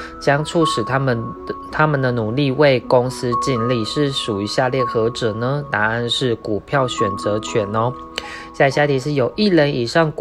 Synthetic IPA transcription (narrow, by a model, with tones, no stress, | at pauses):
t͡ɕjɑ˥ŋt͡sʰu˥˩ʂɻ̩ʰ˨˩˥t̪ʰa˦mə˨nd̪ə˩nu˨˩li˥˧we˥˩ɪko˦ŋsɹ̩˥t͡ɕi˥˧nli˥˧ʂɻ̩˥˩ʂu˨˩y˧˥ɕja˥˧ljɛ˥˩xɤ˧˥ʈ͡ʂɤ˨˩nə˩na˧˥na˥˧nʂɻ̩˥˩ku˨˩pʰjɑ˥˩ʊɕɥɛ˨˩nt͡sɤ˧˦t͡ɕʰɥɛ˨˩nɔ˦ | ɕja˥˧˩ɕja˥˩t̪ʰi˧˥ʂ̬ɻ̩˥˩jo˨˩ʊʔi˥˩lə˧˥ni˨˩ʂɑ˥˩ŋk